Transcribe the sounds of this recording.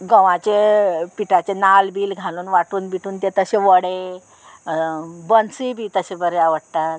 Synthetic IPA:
ɡə̃ʋãt͡ɕepiʈat͡ɕenalbiːlɡʱaluːnʋaʈuːnbiʈʰuːnt̪et̪əɕeʋəɽe | bənsibʱiːt̪əɕebəɾeaʋəɽt̪at̪

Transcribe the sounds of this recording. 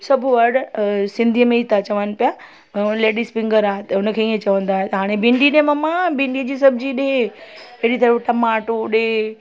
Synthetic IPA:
sɐbʱʊʋɐɾɽsɪ̃nd̪ʱiəmẽit̪ʰat͡ɕɐʋən̆pija | leːɖispɪ̃ŋɡəɾaːɦet̪ʊnə̆kʰeiẽt͡ɕɐʋə̃nd̪aːɦet̪ɦaːɽ̃ebɪ̃ɳɖinẽmɐmãbɪ̃ɳɖid͡ʑiːs̬ɐbʱd͡ʑiɗɪẽeɽit̪ɐɾiʋʈɐmaːʈoɗe

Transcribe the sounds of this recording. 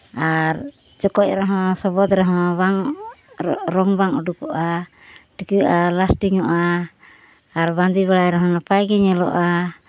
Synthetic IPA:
aɾ | d͡ʒɔkɔc̚ɾaɦɔ̃sɔbɔd̪ɾɛɦɔ̃baŋ | ɾɔŋbaŋɔɖukɔʔa | ʈikəʔalasʈiŋɔʔaː | ɾband̪iβaɽajɾɛɦɔ̃nɔpajɡɛɲɛlɔ̰ʔa

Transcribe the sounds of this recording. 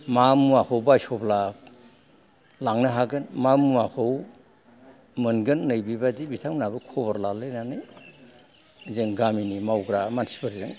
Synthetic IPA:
mamuakʰɔwbajsɔbla | laŋnɯɦaɡɯnmamuakʰɯw | mɯnɡɯnːɯjbibadibitʰaŋmnabɯkʰɔbɔɾlalɯjnanɯj | zeŋɡaminimawɡɾamansi̥pʰɯɾzeŋ

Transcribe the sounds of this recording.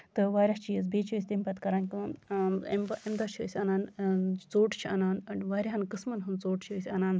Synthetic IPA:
t̪ɨʋaːɾʲɐht͡ʃijəz̬beːt͡ʃʰəːsʲt̪empɐt̪kɐɾanki | ḛmʔemd̪ɐt͡ʃʰiəːsʲɐnaːnt͡soːʈt͡ʃʰiɐnaːnʋaːɾʲiɦɐnkɨsmɐnɦunt͡soːʈt͡ʃʰiəsʲɐnaːn

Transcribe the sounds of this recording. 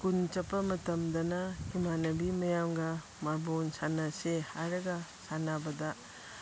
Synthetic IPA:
kunt͡ʃɐpːɐmɐtɐmdɐnɐhimanɐbimɐjamɡɐ | mabonsanɐsehaɾɐɡɐsanabɐdɐ

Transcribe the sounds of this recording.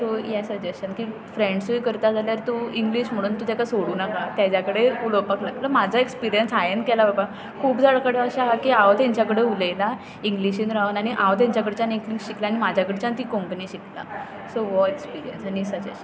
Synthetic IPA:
sojɛsəd͡ʑesɕənkiː | fɾeɳɖsuikəɾt̪ad͡zʱaljaɾt̪uiŋɡliɕm̤əɽ̃uːnt̪ud͡ʑakasoɽuːnakat̪jad͡ʑakəɽeuləpəklaɡləmad͡zʱaekspiɾijənsajenkɛlababa | kʰuːpd͡zaɭkəɽeaɕaɦakiaʋt̪jãɲt͡ɕjakəɽeuləla | iŋɡliɕinɾaɦənaɽ̃iʔaʋt̪jãɲt͡ɕakəɽt͡ɕanikliɕiklaːñimad͡ʑʱjakəɽt͡ɕant̪iːkõmpəniːɕikla̰ | soʋɔekspiɾijə̰nsañisəd͡ʑḛsən

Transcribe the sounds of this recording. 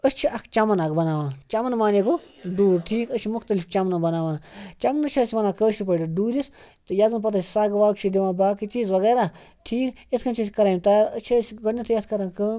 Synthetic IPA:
əsʲt͡ʃʰiʔɐkʰt͡ʃɐmɐnakbɐnaːʋãːt͡ʃɐmɐnmaːneko | ɖuːɾʈʰiːkəst͡ʃʰimʊxt̪ɐlift͡ʃɐmnɐbɐnaːʋãːt͡ʃɐmnət͡ʃʰiːsʲʋɐnãːkəːʃipəɖiɖuːɾʲisʲ | t̪ɨjazɨnpɐt̪asisaːɡʋaːkt͡ʃʰid̪iʋãːbaːkit͡ʃiːzʋɐɡeːɾaʈʰiːket̪ʰkʰɐnt͡ʃʰisʲkɐɾaːmʲt̪aːɾət͡ʃʰiəsʲɡənnɐt̪ʰijɐt̪ʰkɐɾãnkəː

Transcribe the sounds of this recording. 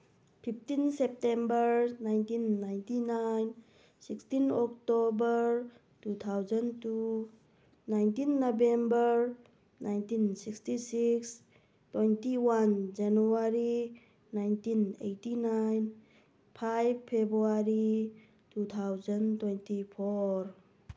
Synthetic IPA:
pʰip̚ʰtinsep̚tembəɾnajntinːajntinajn | sikstinɔktobəɾ | tut̪ʰawzɐntu | najntinːobembəɾ | najntinsikstisiks | twejntiwand͡ʒanuaɾi | najntinḛjtinajn | pʰajb̚pʰebɾuaɾi | tut̪ʰawzɐntwejntipʰoɾ

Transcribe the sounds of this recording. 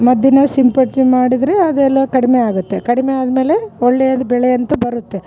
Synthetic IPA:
mɐd̪jinɐsimpɐʈimaːɽid̪ɾeɐd̪ɛlːɐkɐɽimeaːɡut̪ːekɐɽimeaːd̪ɐme̞ːle̞oɭːejɐd̪ubɛɭejɐnt̪ɐbɐɾut̪ːe

